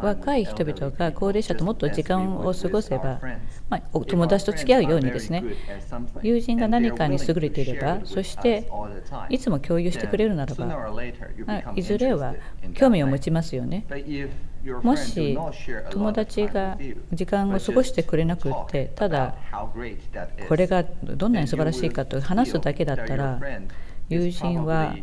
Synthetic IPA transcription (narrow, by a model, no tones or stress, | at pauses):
βakaiçi̥t̪o̞bʲit̪o̞ɡako̞ːɾe̞ːɕat̪o̞mo̞t̪ːo̞d͡ʑikãɰ̃o̞sɨɡo̞se̞bamaot̪o̞mo̞d̪at͡ɕi̥t̪o̞t͡sɨ̥kʲiaɯ̟jo̞ːɲ̟id̪e̞sɨne̞ | jɯːʑĩŋɡanaɲ̟ikaɲ̟isɨɡɯ̟ɾe̞t̪e̞iɾe̞baso̞ɕi̥t̪e̞ | it͡sɨmo̞kʲo̞ːjɯ̟ːɕi̥t̪e̞kɯ̟ɾe̞ɾɯ̟naɾaba̰ | maizɨɾe̞βakʲo̞ːmʲio̞mo̞t͡ɕimasɨjo̞̰ne̞ | mo̞ɕit̪o̞mo̞d̪at͡ɕiɡad͡ʑikãŋ̃o̞sɨɡo̞ɕi̥t̪e̞kɯ̟ɾe̞nakɯ̟t̪ʰːe̞t̪ad̪a | kʰo̞ɾe̞ɡad̪õ̞nːaɲ̟isɨbaɾaɕiːkat̪o̞hanasɨd̪ake̞d̪at̪ːaɾa | jɯːʑĩɰ̃βa